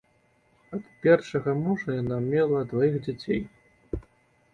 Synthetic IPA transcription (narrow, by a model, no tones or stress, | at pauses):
ɐt̪pʲɛrʂɐɣɐmuʐɐjanamʲɛlˠɐd̪vajiɣd͡zʲat͡sʲḛj